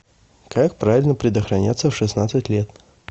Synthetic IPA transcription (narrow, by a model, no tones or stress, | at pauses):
kak̚pɾavʲɪlʲnəpɾʲɪd̪əxɾɐnʲa̰t̪səfʂɨsnat̪sɨtʲlʲet̪